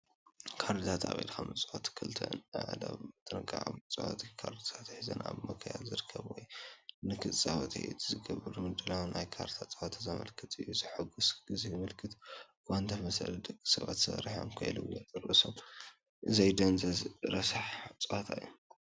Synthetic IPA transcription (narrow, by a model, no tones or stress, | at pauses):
kʰaɾd̪it̪ʰat̪a̰βɐ̰jlkʰamɨt͡sʼat̪ʰkʰɨlt̪ʰɐ̰nʕd̪a̰βɨt̪ʰʼɨnɨɡʼaʕa̰βmɨt͡sʼa̰wa̰t̪ʰikʰaɾd̪it̪ʰat̪ħɨzɐ̰na̰βmɐkʰɐja̰lzɨɾɨkʰːɐβwɔjnɨkʰɨt͡sʼaβɐt̪ʰḭṵt̪ʰzɨɡɐβɨɾumɨd̪ɨlawnajkʰaɾt̪ʰat͡sʼawat̪ʰazɐmɐ̰lkʰɨt̪ʰɨjːuzɨħɨɡusɡ̥ɨzimɨlkʰɨt̪ | kant̪ʰɐmɐsɐ̰ld̪ɐkʼːisɐβa̰t̪sɐɾiħomkʰɐjlɨwjɐt̪ʼɨɾɨsom | ʔɨzɐjd̪ɐnzɐɾɐsaħt͡sʼwat̪ʰajːu